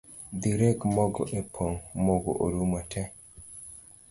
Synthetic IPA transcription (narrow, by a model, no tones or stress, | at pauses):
d̪iɾɛkmɔɡɔ̰ʔɛpʰɔŋmɔɡɔ̰ʔoɾumatʰɛ